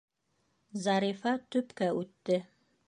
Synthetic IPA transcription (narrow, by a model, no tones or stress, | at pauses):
zɑɾifɑt̪ɵpkæʉt̪ːɘ